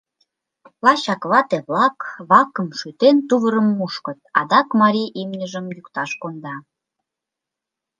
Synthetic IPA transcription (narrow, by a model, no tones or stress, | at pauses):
lɑɕɑkβɑt̪eβlɑkβɑkə̆mʃyt̪ent̪uβəɾə̆mːuʃkɤ̆t̪̚ɑ̰d̪ɑkmɑɾʲiʔimnʲəʒə̆mjukt̪ɑʃkond̪ɑ